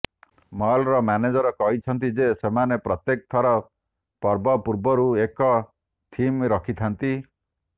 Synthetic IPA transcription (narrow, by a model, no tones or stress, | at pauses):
mɔlɾɔmaned͡ʒɔɾɔkɔɦit͡ʃʰɔnt̪̬id͡ʒesemanepɾɔt̪jek̚t̪ʰɔɾɔ | pɔɾbɔpuɾbɔɾuekɔ | t̪ʰimɾɔkʰit̪ʰant̪i